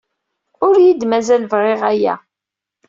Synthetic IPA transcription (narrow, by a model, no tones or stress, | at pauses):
ʊɾjid̪mæzælvʁeʁæjæ̰